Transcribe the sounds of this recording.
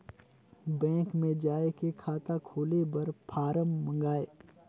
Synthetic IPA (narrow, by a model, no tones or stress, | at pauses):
bɛ̃ːŋkmẽd͡ʒaːekekʰaːt̪akʰoːlebɐɾpʰaːɾəmːɐ̃ŋɡaːeː